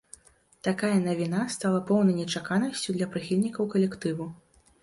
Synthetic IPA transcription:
t̪akajɐnɐvʲinast̪alˠɐpɔwnɐjnʲɛt͡ʂakanɐsʲt͡sʲud̪lʲɐpɾɨxʲilʲnʲikɐwkɐlʲɛkt̪ɨvu

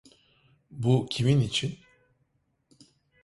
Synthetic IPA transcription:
bucʰiminit͡ʃʰin

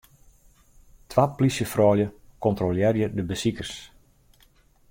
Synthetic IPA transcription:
tʰʋaplisjəfrɔːljəkɔntroljɛrjədəbəsikərs

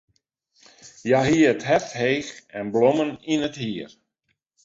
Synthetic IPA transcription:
jaɦiəətɦɛfthejxɛnbloməninəthiər

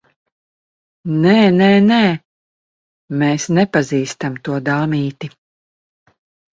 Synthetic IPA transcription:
nɛːnɛːnɛː | meːsnɛpaziːst̪amt̪uɔd̪aːmiːt̪i

